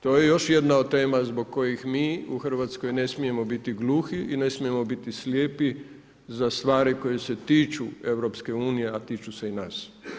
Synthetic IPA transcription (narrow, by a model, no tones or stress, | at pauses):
t̪oːjejo̞ʃje̞d̪naod̪t̪ːe̞ːmazboɡ̚ko̞jixmiːuxr̩ʋat̪sko̞jne̞smije̞mo̞bit̪iɡluːxiʔine̞smije̞mo̞bit̪isljeːpi | zast̪ʋaːɾiko̞jese̞t̪iːt͡ʃue̞wɾo̞pske̞uːnije̞at̪iːt͡ʃuse̞inaːs